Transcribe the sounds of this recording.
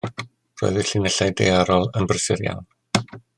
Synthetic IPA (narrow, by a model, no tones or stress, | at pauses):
ro̰ːɨðɪɬɪnəɬajdḛaɾɔlˠənbrəsɪɾja̰wn